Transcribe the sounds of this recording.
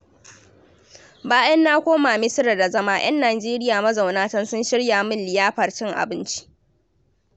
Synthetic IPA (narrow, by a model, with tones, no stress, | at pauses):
baː˦jɐ˦nːaː˦kʷoː˦maː˨mɪ˦sɪ˦ɾɐ˨da˨zɐ˦maː˦j̰ɐ˦nːaː˨d͡ʒeː˦ɾɪ˦jaː˨mɐ˦za˨wnaː˦tɐ˦nsʊ˦nʃɪ˦ɽjaː˨mɪ˦nːɪ˨jaː˦ɸɐ˨rt͡ʃɪ˦ŋʔa̰˨bɪ˦nt͡ʃi̥˦ʔ